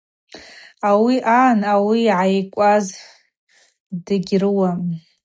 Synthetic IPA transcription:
awiʔanawiːʕajkʷʼaz | dɨɡʲrɨwa

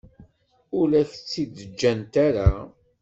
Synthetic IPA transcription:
ʊlæçt͡sːid̪əd͡ʒːænt̪aɾa

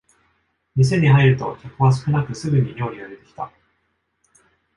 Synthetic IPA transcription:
mʲis̬e̞ɲ̟iɦaiɾɯ̟t̪o̞̰kakɯβas̬ɨ̥kɯ̟nakɯ̟sɨɡɯ̟ɲ̟iɾʲo̞ːɾʲiad̪e̞t̪e̞kʲi̥t̪a

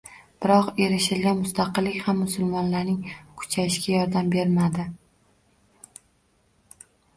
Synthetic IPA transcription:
b̥ɪɾɒqe̞ɾɪʃɪlɡʲanmʊst̪ʰɑqɨlːɪkʲhamːʊsʊlˠmɒnlaɾnɪŋkʰʊ̥t͡ʃʰajɪʃɡʲajɒɾd̪ambe̞ɾmad̪ɪ

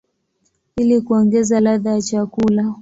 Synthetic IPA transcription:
ilikuɔŋɡɛzalaðajat͡ʃakula

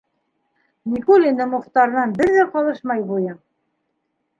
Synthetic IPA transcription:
nʲikulʲinɘmŏχt̪ɑɾnɑnbɘɾðæqɑlˠɤʃmɑjbujɤ

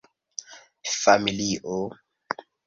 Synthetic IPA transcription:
familiʔo

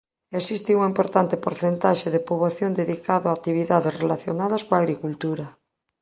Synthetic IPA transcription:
esist̪iuŋempoɾt̪ant̪epoɾθent̪aʃeðepuβaθjond̪eðikaðoaːt̪iβiðaðesrelaθjonaðɐskoaːɣɾikult̪uɾa

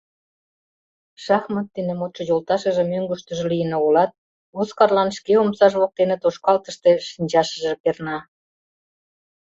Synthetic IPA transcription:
ʃɑxmət̪ːenemot̪ʃə̆jolt̪ɑʃə̆ʒĕmøŋɡuʃt̪ə̆ʒĕlijənoulɑt̪̚ | oskɑrlɑnʃkeomsɑʒβok̚t̪enə̆t̪oʃkɑlt̪əʃt̪e̽ʃinʲd͡ʑɑʃə̆ʒepernɑ

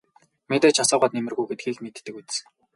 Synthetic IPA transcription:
met̪æːt͡ɕʰasɔːʁɢaːt̪nemɘ̆rɣujɡet̪̚ɡiːɮmet̪ːɘ̆kut̪̆s̆

